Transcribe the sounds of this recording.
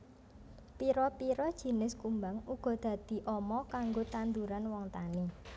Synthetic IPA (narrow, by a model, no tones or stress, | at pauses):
piɾɔpiɾɔd̥ʒ̥i̤nɪskumbaŋuɡ̥ɔ̤d̪̥ä̤d̪̥i̤ʔɔmɔkaŋɡot̪and̪uɾanwɔŋt̪ani